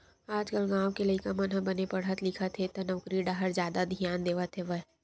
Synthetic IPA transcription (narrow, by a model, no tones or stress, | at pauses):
aːd͡ʒkəlɡãːwkeləikamənɦəbənepɐɽ̤ət̪lɪkʰət̪ʰet̪onɐʊkɾiɖaːɦəɾzjaːd̪ad̪ʱijaːnd̪eːʋət̪ʰeʋəɦ